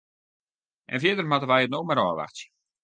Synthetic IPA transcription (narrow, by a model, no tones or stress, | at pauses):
ʔɛ̰nfjɪdərmatəʋɛjətnoːmaɾɔːʋa̰xtə